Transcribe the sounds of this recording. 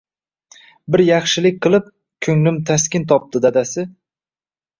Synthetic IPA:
bɪɾjɑχʃɪlɪk̚ʲqɨlˠɪp̚ | kʲʰɵŋlɪmt̪ʰaskʲɪnt̪ʰɒp̚t̪ɪd̪ad̪asɪ

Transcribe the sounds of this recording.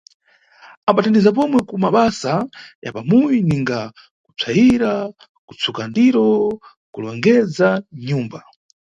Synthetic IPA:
ambatandizap̬ɔmwɛkumaɓasaja̰pamujiniŋɡa | ku̥t͡sʰaiɾa | kut͡sukandiɾɔ | kulɔŋɡɛd͡zaɲuːmba

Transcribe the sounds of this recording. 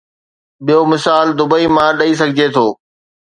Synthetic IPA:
ɓijomɪsaːld̪ʊbəimãɗɐis̬ɐɡʱɪd͡ʑet̪ʰoː

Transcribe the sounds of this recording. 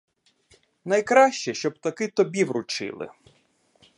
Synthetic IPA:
nɐjkɾɑʃt͡ʃɛʃt͡ʃɔb̚t̪ɐkɪt̪ɔbʲiwɾʊt͡ʃɪ̰lˠɪ̰

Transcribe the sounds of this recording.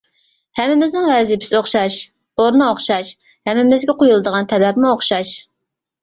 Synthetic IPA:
hɛmːɪmɪznɪŋvɛzipʰɪsoχʃɑʃ | oɾnɨoχʃɑʃ | hɛmːɪmɪzɡʲɛqʰojulˠɨd̪əʁɑnt̪ʰɛlɛpmuoχʃɑʃ

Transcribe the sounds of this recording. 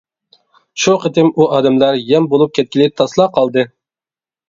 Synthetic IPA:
ʃuqət̪ɪmuʔɑːd̪ɛmlæɾjɛmbolˠup̚kʲʰɛt̪̚kʲilɪt̪ʰɑslˠɑqʰɑlˠd̪ɨ

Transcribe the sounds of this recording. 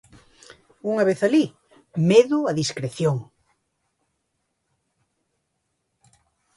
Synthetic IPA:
uŋaβeθali | meðʊaðiskɾeθjoŋ

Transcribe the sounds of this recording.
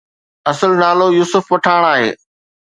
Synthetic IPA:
ɐsəlnaːlojuːsʊfʋɐʈʰaːɽ̃aːɦḛː

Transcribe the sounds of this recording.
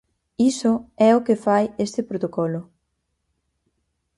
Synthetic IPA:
isʊɛokɪfajest̪ɪpɾot̪okɔlʊ

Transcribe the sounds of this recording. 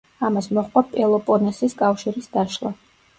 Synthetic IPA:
amasmɔχqʼapʼɛlˠɔpʼɔnɛsiskʼafʃiɾisd̪aʃlˠa̰

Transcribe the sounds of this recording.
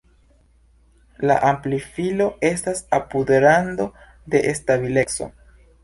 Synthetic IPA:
la̰ʔamplifilo̞e̞stasapude̞ɾando̞ | de̞ʔestaβile̞kso̞̰

